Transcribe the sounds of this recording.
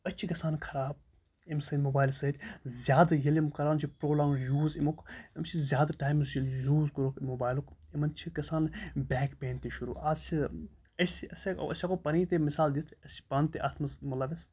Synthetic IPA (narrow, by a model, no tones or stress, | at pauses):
ɐtt͡ʃʰikɐsaːnkʰɐɾaːb̚ | imsɐd̪moːbaːjlsɐd̪ʲzjaːd̪jɐlimkɐɾaːnt͡ʃʰipɾoːlaːmjuːzimukʰɐmt͡ʃʰizjaːd̪ʈaːjmzʰijuːzkɐɾokmoːbaːjlukimɐnt͡ʃʰikɐsaːnbʲɛːkpeːnt̪iʃuɾṵːʔaːzt͡ʃʰi | ɐsiɐsḛɐ̰sʲakopɐniːt̪emisaːld̪it̪ʰɐsi̥pɐnt̪eʔɐt̪ʰmɐzmɐlaːʋis